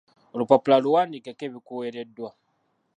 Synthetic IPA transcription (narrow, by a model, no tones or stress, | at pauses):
olupapulaluwanikɛkebikueɾɛdwa